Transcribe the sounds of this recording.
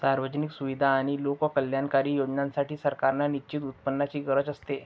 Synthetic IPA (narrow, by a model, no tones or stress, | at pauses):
saɾʋəd͡ʑniksuʋid̪ʱaːɽ̃ilokʋəkəljankaɾiːjod͡ʑnãnsaʈʰiːsəɾkaɾnaniɕit̪ut̪̚pənːat͡ɕiːɡəɾət͡səst̪e